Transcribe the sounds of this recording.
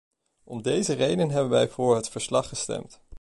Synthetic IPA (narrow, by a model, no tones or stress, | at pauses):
ɔmdejzərejdənɦɛbənʋɛjv̥ʊːɹɦətfəɹslɑχːəstɛ̰mt